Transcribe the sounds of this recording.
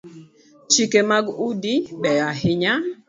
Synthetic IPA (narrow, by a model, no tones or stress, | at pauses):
t͡ʃikemaɡudiɓɛahɪɲa